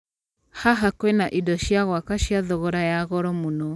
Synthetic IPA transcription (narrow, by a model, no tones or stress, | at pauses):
haɦakwenaʔidɔʃjaɣwakaʃjaðɔɣɔɾajaɣɔɾɔmonɔ